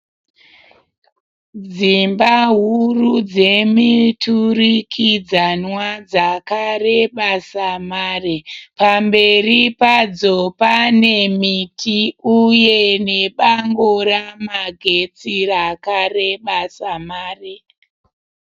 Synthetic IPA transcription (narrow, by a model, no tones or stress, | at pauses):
d͡zimbaɦurud͡ze̞miturikʰid͡zanwad͡zakareɓasamaːrepambe̞ripad͡zopane̞mitiujeneɓaŋɡoɾamaɡʱe̞t͡sirakareɓasamaːre